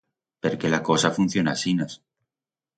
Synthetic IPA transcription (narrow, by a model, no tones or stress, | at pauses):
peɾkelako̞safun̟θjo̞nasinas